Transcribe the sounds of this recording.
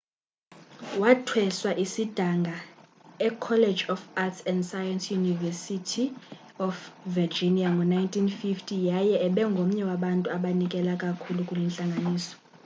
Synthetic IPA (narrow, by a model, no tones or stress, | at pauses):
watʰwɛswaʔisid̥ʱaŋɡʱa | ɛkʰɔle̥d͡ʒɔfatsɛndsajansjunivɛsitʰi | ɔfvid͡ʒiniaŋɡʱɔnajntʼʰinfiftʰʼijajɛɛɓɛŋɡʱom̩ɲɛwaɓantʼuaɓanikʼɛlakʼakʰulukʼulwɛnt͡ɬʼaŋɡʱaniːsɔ̥